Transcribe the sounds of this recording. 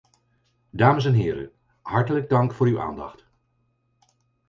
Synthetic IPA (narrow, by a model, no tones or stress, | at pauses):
daːməs̬ɛnɦɪːɾə̰ | ɦɑɹtələɡ̚dɑŋkfʊːɹywʔa̰ːndɑ̰χt